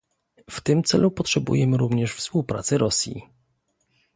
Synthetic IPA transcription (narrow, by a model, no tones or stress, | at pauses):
ft̪ɘmt̪sɛlupɔtʂɛbṵjɛmɘɾuvɲɛʂfspuwpɾa̰t̪sɛɾɔsʲjḭ